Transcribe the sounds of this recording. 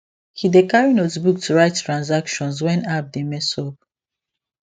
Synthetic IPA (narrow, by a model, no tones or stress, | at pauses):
hidekaɹinɔtbuk̚tʰuɹaɪtːɹãnzakʃɔ̃nswɛ̃nap̚demɛsɔp̚